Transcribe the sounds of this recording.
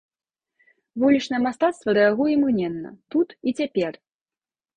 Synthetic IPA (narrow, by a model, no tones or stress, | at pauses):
vulʲit͡ʂnɐjɛmast̪at̪st̪vɐɾɛaɣujɛmɨnʲɛnːɐ̰t̪ut̪it͡sʲapʲɛr